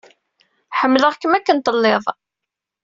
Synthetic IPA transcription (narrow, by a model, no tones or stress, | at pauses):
ħəmːləʁkəmækːənt̪əlːeðˤ